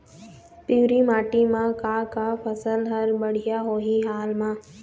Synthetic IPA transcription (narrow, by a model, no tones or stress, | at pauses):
piːɾimaːʈimãkaːkapʰɐsəlɦɐɾbɐɽ̤ijaɦoːɦiɦaːlmãː